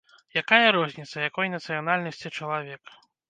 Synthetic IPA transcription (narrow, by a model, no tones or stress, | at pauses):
jakajɐɾɔzʲnʲit̪sɐjakɔjnɐt̪sɨjanalʲnɐsʲt͡sʲit͡ʂɐlˠavʲɛk